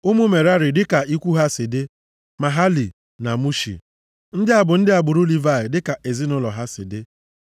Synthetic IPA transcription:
ʊ˦mu˦me˨ɾa˦ɾɪ˨dɪ˦ka˨i˦kʷu˦ɦa˦sɪ˨dɪ˦ | ma˨ɦa˦li˨ | na˨mu˦ʃḭ˨ | n̩˦dɪ˦a˨bʊ˨n̩˦dɪ˦a˨bʊ˨ɾu˦li˨va˦˨ɪ˨dɪ˦ka˨ʔe˨zi˦nʊ˦lɔ˨ɦa˦sɪ̰˨dɪ˦

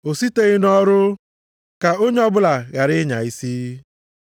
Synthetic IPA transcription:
o˨si˦te˨ɣɪ˦nɔ˦ɾʊ˦ | ka˨o˦ɲe˦ɔ˦bʊ˦la˨ɣa˨ɾɪ˦ɲa̰˨i˦si˦

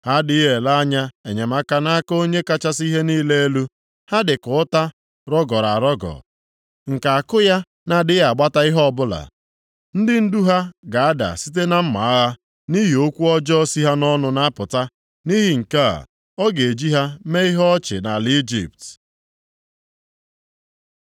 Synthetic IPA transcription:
ha˦dɪ˦ɦe˨la˦a˦ɲa˦e˨ɲe˨ma˦ka˦na˦ko˦ɲe˦ka˦t͡ʃa˦si˦ɦe˦niː˦le˦e˦lu˦ | ha˦dɪ˨kʊ˨˦ta˦ | ɾɔ˦ɡɔ˨ɾa̰˨ɾɔ˦ɡɔ̰˨ | ŋ̩˨ka˨a˨kʊ˦ja˦ | na˨dɪ˦a˨ɡ͡ba˦ta˦ɪ˦ɦɔ˦ɔ˦˨bʊ˦la̰˨ | n̩˦dɪ˦n̩˦du˦ɦa˦ɡa˨a˦da̰˨si˦t̬e˦na˦m̩˦ma̰˨a˦ɦa˦ | ni˦ɦi˨o˦kʷu˦ɔ˦d͡ʒɔ˦ɔ˦si˦ɦa˦nɔ˦nʊ˨na˦pʊ˨ta˦ | ni˦ɦi˨ŋ̩˨ka̰˦˨ | ɔ˦ɡe˨e˨d͡ʒi˦ɦa˦me˦i˦ɦɔ˦t͡ʃɪ̰˨na˨li˦d͡ʒḭ˨p̚t

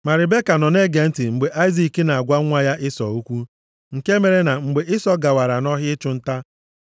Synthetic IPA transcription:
ma˨ɾɪ˨be˦ka˨nɔ˨ne˦ɡe˨n̩˦tɪ˨ŋ͡m̩˨ɡ͡be˨ʔa˦ɪ˦zi˨ki˦na˨a˨ɡʷa˦ŋʷa˦ja˦ʔɪ˦sɔ˨u˦kʷu˦ | ŋ̩˨ke˦me˨ɾe˦na˨ŋ͡m̩˨ɡ͡be˨ʔɪ˦sɔ˦ɡa˨wa˨ɾa˨nɔ˦ɦɪ˦ɪ˦t͡ʃʊ˦n̩˦ta˦

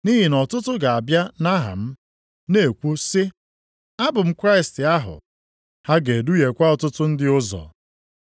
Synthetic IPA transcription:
ni˦ɦi˨nɔ˨tʊ˦tʊ˦ɡa˨a˨bja˦na˦ɦa̰˨m̩˦ | ne˨kʷu˦sɪ˦ | a˦bʊ˨m̩˦kɾa˦ɪ˨stɪ˨a˦ɦʊ̰˨ | ha˦ɡe˨du˦je˨kʷa˦ɔ˨tʊ˦tʊ˦n̩˦dɪ˦ʊ˦zɔ̰˨

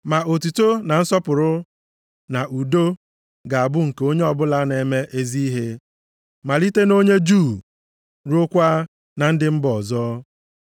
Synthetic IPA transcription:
ma˨ʔo˨tu˨to˦na˨n̩˦sɔ˦pʊ˨ɾʊ˦ | na˨ʔu˨do˦ | ɡa˨a˨bʊ˦ŋ̩˨ke˨o˦ɲe˦ɔ˨bʊ˦la˦ne˨me˦ʔe˦zi˦i˦ɦe˦ | ma˨li˦te˦no˦ɲe˦d͡ʒuː˦˨ | ɾo˦kʷa˦ | na˨n̩˦dɪ˦m̩˦bɔ˨zɔː˦

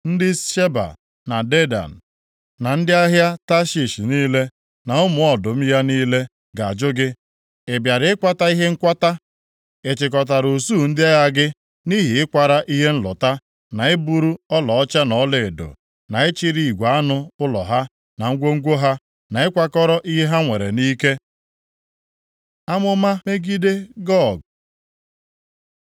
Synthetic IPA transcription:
n̩˦dɪ˦ʃe˦ba̰˨ | na˨de˦da̰˨n̩˨ | na˨n̩˦dɪ˦a˦ɦja˦ta˦ʃi˨ʃi˨niː˦le˦ | na˨ʊ˦mʊ˨ɔ˨dʊ˨m̩˦ja˦niː˦le˦ | ɡa˨d͡ʒʊ˦ɡɪ˦ | e˨bja˨ɾɪ˨˦ɪ˦kʷa˦ta˦i˦ɦe˦ŋ̩˦kʷa˦ta˦ | e˨t͡ʃɪ˨k̬ɔ˨t̬a˨ɾu˨suː˦˨n̩˦dɪ˦a˦ja˦ɡɪ˦ | ni˦ɦi˨ɪ˦kʷa˨ɾa˦ʔi˦ɦe˦n̩˦lʊ̰˨ta˦ | na˨ɪ˦bu˨ɾu˦ɔ˦lɔ˨ɔ˦t͡ʃa˦nɔ˨˦le˨e˨do̰˨ | na˨ɪ˦t͡ʃi˦ɾi˦i˨ɡʷa˨˦nʊ˦ʊ˦lɔ̰˨ɦa˦ | na˨ŋ̩˦ɡʷo˦ŋ̩˦ɡʷo˦ɦa˦ | na˨ɪ˦kʷa˦kɔ˦ɾɔ˦ʔi˦ɦe˦ɦa˦ŋʷe˨ɾḛ˨ni˦ke˦ | a˦mʊ˦ma˦me˦ɡi˦de˦ɡɔ˦˨ɡ

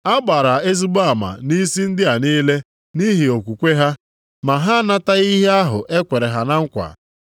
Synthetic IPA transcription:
a˦ɡ͡ba˨ɾa˨e˦zu˦ba˨ma̰˨ni˦si˦n̩˦dɪ˦a˨niː˦le˦ | ni˦ɦi˨o˨kʷu˨kʷe˦ɦa˦ | ma˨ɦa˦na˦ta˦i˦ɦe˦a˦ɦʊ̰˨ʔe˦kʷe˨ɾe˨ɦa˨na˦ŋ̩˦kʷa̰˨

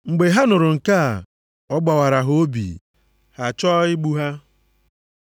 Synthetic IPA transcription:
ŋ͡m̩˨ɡ͡be˨ɦa˦nʊ˨ɾʊ˨ŋ̩˨ka˦˨ | ɔ˦ɡ͡ba˨wa˨ɾa˨ɦo˦bḭ˨ | ha˨t͡ʃɔː˦ɪ˦ɡ͡bu˦ɦa˦

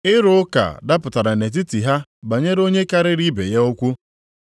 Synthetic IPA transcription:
ɪ˦ɾʊ˦ʊ˦ka̰˨da˦pʊ˨ta˨ɾa˨ne˨t̬i˦ti˨ɦa˦ba˨ɲe˦ɾo˦ɲe˦ka˦ɾɪ˦ɾi˦bḛ˨je˦o˦kʷu˦

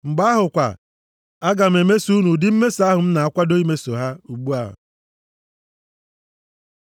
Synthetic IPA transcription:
ŋ͡m̩˨ɡ͡ba˦ɦʊ˨kʷa̰˨ | a˦ɡa˨m̩˨e˨me˦su˦nu˨dɪ˦m̩˦me˦sa˦ɦʊ˨m̩˦na˨a˦kʷa˦do˦i˦me˦so˨ɦa˦u˨ɡ͡bu˦a˦ɦʊ̰˨

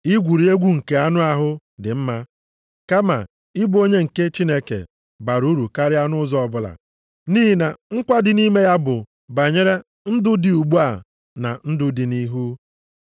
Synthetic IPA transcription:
ɪ˦ɡʷu˨ɾi˨˦e˦ɡʷu˦ŋ̩˨ke˨a˦nʊ˦a˦ɦʊ˦ | dɪ˨m̩˦ma˦ | ka˦ma̰˨ | ɪ˦bu˦o˦ɲe˦ŋ̩˨ke˦t͡ʃi˦ne˦kḛ˨ | ba˨ɾu˦ɾu˨ka˦ɾɪ˦a˦nʊ˦zɔ˦ɔ˦bʊ˨la̰˨ | niː˦ɦi˨na˨ŋ̩˦kʷa˦dɪ˨ni˦me˦ja˦bʊ˨ | ba˨ɲe˦ɾe˦ | n̩˦dʊ˦di˨u˨ɡ͡bu˦a˨ | na̰˨n̩˦dʊ˦dɪ˨ni˦ɦu˦

